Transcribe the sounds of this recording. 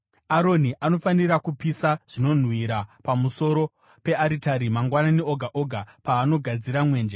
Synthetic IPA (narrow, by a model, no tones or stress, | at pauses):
aɾo̞niʔano̞faniɾakupisaʐ̥ino̞n̤wiɾapamuso̞ɾo̞ | pe̞ʔaɾitaɾimaŋɡwananeoɡʱaʔo̞ɡʱapaːno̞ɡʱad͡ziɾamwe̞ːnd͡ʒe